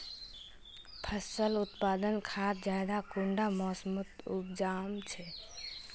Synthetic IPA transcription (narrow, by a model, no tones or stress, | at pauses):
pʰəsəlut̪pad̪ənkʰat̪d͡ʒad̪akuɳɖamɔsmut̪up̚d͡ʒamt͡ʃʰɛ